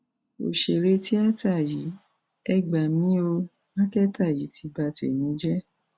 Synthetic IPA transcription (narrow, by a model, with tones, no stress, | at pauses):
o̰˨ʃe˨ɾe˧ti˦a˦ta˦˨ji˨˦ | ɛ˦˨ɡ͡ba˨mĩ˨˦o˧ | nã˦kɛ˦ta˦˨ji˨˦tʰi˧ba˧tḛ˨nĩ˨˦d͡ʒɛ˦